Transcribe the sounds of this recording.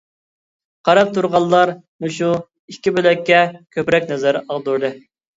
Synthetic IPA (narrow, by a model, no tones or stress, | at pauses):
qʰɑɾɑp̚t̪ʰuɾʁɑlˠːɑɾ | muʃu | ikʲːibølɛkʲːɛkʲʰøpɾɛk̚ʲnɛzɛɾɑlˠd̪uɾd̪ɨ